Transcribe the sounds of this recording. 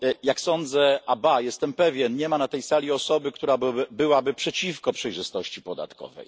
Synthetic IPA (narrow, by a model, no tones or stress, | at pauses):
jaksɔnd̪zɛabajɛst̪ɛmpɛvʲjɛnɲɛmanat̪ɛjsalʲiɔsɔbɘkt̪uɾabbɘwabɘpʂɛt͡ɕifkɔpʂɛjʐɘst̪ɔɕt͡ɕipɔd̪a̰t̪kɔ̰vɛ̰j